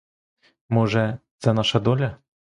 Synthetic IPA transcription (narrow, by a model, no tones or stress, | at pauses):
mɔʐɛzɐnaʂɐd̪ɔlʲɐ